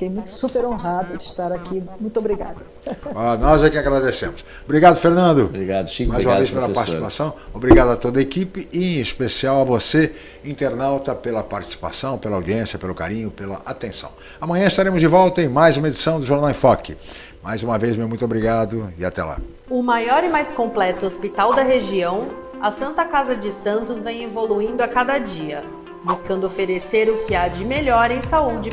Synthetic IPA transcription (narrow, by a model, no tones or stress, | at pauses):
t̪ẽj̃mũj̃t̪ʊ̥supeɾõɦad̪ʊd͡ʒɪst̪aɾakimũj̃t̪obɾiɡa̰d̪ʊ | ɔnɔzakiaɡɾad̪esẽmʊs | bɾiɡad̪ʊfeɾnɐ̃nd̪ʊbɾiɡad̪majzzũmɐvejspelɐpaɾt͡ʃisiipasɐ̃w̃obɾiɡad̪ʊɐat̪od̪ɐekipɪɪẽɪspesiawɐvose | ĩnt̪eɾnawt̪ɐpelɐpaɾt͡ʃi̥si̥pa̰sɐ̃w̃pelɐawd͡ʒiẽsiɐpelʊka̰ɾĩɲʊpelɐ̰ʔat̪ẽsɐ̰̃w̃ | ɐmɐ̃ɲ̃ɐ̃ɪst̪aɾẽmʊzd͡ʒɪvɔwt̪ɐẽmajzũmɐed͡ʒisɐ̃w̃d̪ʊʒoɾnawẽfɔkɪ | majzũmɐvejzmewmũj̃t̪obɾiɡad̪ʊɪa̰t̪ɛ̰la̰ | ʊmajɔɾɪmajskõmplɛt̪ʊospit̪awd̪ɐɦeʒiɐ̃w̃ | ɐsɐ̃nt̪ɐkazɐd͡ʒɪsɐ̃nt̪ʊzvẽj̃evoluĩnd̪ʊakad̪ɐd͡ʒiɐ | buskɐ̃nd̪ʊofeɾeseɾʊkʰɪad͡ʒɪmeʎɔɾẽj̃saud͡ʒɪ